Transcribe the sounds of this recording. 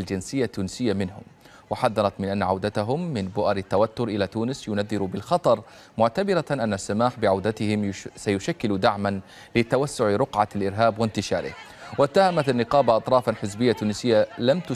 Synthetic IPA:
ld͡ʒɪnsɪjːat̪ːuːnsɪjːamɪnɦʊ̰m | wɪħaðːɑɾˤɑt̪mɪnʔanːaʕawd̪at̪aɦʊmːɪnbʊʔaɾɪt̪ːawat̪ːʊɾʔɪlat̪uːnɪsjʊnaðːɪɾubɪlxɑt̪ˤɑɾˤ | mʊʕt̪abɪɾaʔanːasːamaːħbɪʕawd̪at̪ɪhɪmsajʊʃakːɪlud̪aʕman | lɪt̪awasːʊʕɾʊqʕalʔɪɾɦaːbwɪnt̪ɪʃɑ̰ːɾɪ̰h | wɪt̪ːahamat̪anːɪqɑːbaʔɑt̪ˤɾˤɑːfanħɪzbɪjːat̪ːuːnɪsɪjːalamt̪ʊ

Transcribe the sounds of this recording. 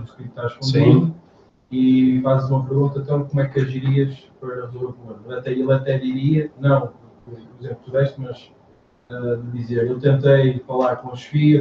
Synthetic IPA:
ukɾĩt̪aʁʃpõnd̪ẽnd̪u | ifazzumɐpɨɾɣũnt̪ɐ̃t̪ɐ̃w̃komwɛkɐʒiɾiɐʃpɐɾɐðoɐkmɐ̃ɾˠɐt̪ɛelˠɐt̪ɛðiɾiɐnɐ̃w̃ | kpuɾizẽmplˠt̪uðɛʃt̪mɐʃ | ɛðɨðizeɾewt̪ẽnt̪ɐjfɐlˠaɾkõuʃfi

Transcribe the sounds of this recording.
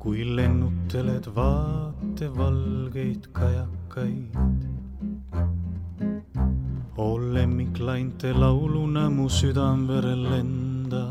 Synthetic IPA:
kujle̞nːut̪ːe̞le̞d̪vɑːt̪ːe̞vɑlɡe̞jt̪kʰɑjɑkːɑjd̪̥ | o̞lːe̞mːiklɑjnt̪ːˑelɑwlunæmusyd̪ɑmveɾe̞lːe̞nd̪̥ɑ

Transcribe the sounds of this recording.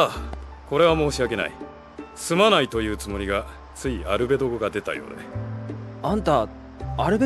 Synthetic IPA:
ako̞ɾe̞β̞amo̞ːɕiake̞na̰ḭ | sɨmanait̪o̞jɯ̟ːt͡sɨmo̞ɾʲiɡa | t͡sɨiaɾɯ̟be̞d̪o̞ɡoɡad̪e̞t̪a̰jo̞̰ːd̪e | ãnt̪a | aɾɯ̟be

